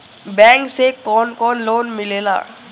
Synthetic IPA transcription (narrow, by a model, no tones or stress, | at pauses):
bɛ̃ːŋksekɔːnkɔːnloːnmɪleːla̰ː